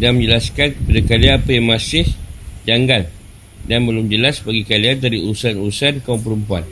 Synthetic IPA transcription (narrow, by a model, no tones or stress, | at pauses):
daŋmə̃ɲd͡ʒəlaskankə̥padakalianpajamasɪhd͡ʒaŋɡan | danbəlʊmd͡ʒəlasbaɡikaliandaɾiuusanuɾusankaumpəɾumpua̰n